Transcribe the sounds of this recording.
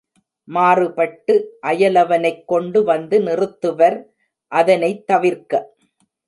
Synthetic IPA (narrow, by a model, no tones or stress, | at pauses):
maːrɯpɐʈːɯʔɐjɐlɐʋɐnɐɪkːɔɳɖɯʋɐnd̪ɯnɪrɯt̪ːɯʋɐɾ | ʔɐðɐnɐɪt̪ːɐʋɪɾkɐ